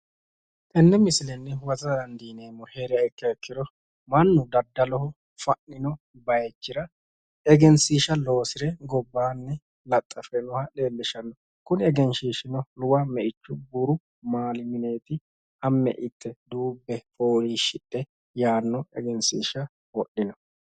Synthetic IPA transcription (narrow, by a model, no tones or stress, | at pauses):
t̪ɛnːɛmɪsɪlɛnːɛwɐzɐd̪ɐnd̪iːne̞ːmːɔheɾɪjɐɪkːɛɛkːɪd̪ɔ | mɐnːʊd̪ɐd̪ːɐlɔhɔ | fɐnːɪnɔ | bɐjɛt͡ʃːɪɾɐ | ɛɡɛnsiːʃɐlo̞ːsɪɾɛɡɔbːaːnːɛ | lɐt̪ʼːɐfɛnʊhɐɗeːlːɪʃɐnːɔ | kʊnɛɡɛnʃiːʃɪnɔlʊwɐmɛʔɪt͡ʃːʊbʊɾʊ | maːlɪmɪne̞ːt̪ɪ | ɐmːɛ̰ʔɪt̪ʰːɛd̪uːbːɛfoːɾiːʃɪᶑːɛ | jaːnːɔɛ̰ɡɛnsiːʃɐ | wɔɗːɪnɔ